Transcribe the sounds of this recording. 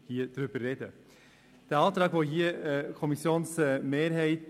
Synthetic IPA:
hiːəd̪̥ɾʉbəɾɛd̪ə | d̪̥ɛːɑːd̪ɾɑːɡʋoːɦiːkʰɔmɪsjuːnsmeːɾheɪt̪

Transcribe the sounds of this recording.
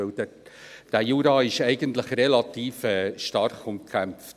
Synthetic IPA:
ɪldəd̥æjuːɾɑːɪʃɛɪɡənt̪ləχrɛlɑt̪iːfɛːʃtɑɾχʊmkʰæmft

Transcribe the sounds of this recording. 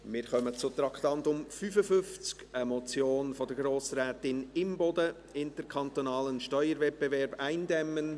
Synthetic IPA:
mɪːɾχœmət͡sʊt̪ɾɑktɑntʊmfyfəfʏft͡skəmɔt͡sjoːnfɔd̪əɾɡɾoːsɾɛːtɪnɪmbɔdə | ɪntəɾkʰɑnt̪onɑːlənʃtœʏəɾvɛt̚b̥evɛɾbæɪndɛmːən

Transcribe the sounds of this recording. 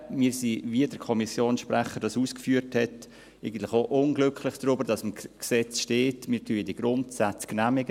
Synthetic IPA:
miːsiviədəɾkʰɔmisjoːnsʃpɾɛχəɾdɑsuːskfyːəɾthɛt | eɪɡən̩tlɪxoʔʊnɡlʏklɪχd̥ɾʊbəɾd̥ɑsɪmksɛt͡sʃteːtmiːɾtʰyːədiɡ̥ɾʊntsat͡sknæmɪɡə

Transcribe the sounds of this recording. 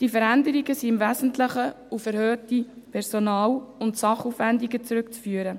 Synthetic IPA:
d̥ifəɾændəɾiɡəsiɪmvæzn̩tlɪχə | ufɛɾhøːtipʰɛɾsonɑːlʊntsɑχuːfʋændiɡət͡sɾʏkt͡sfyːəɾə

